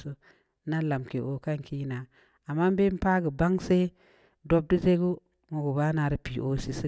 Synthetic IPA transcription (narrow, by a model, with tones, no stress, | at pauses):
so˦ | na˦la˨mke˨ʔo˨ka˦ŋki˦na˨ | a˨mːa˦m˦be˦m˦pa˦ɡu˨ba˦ŋse˦ | do˦b̚di˦ze˦ɡu˦ | mu˨ɡu˨ba˦na˨ɾi˦pi˨ʔo˨si˨si˦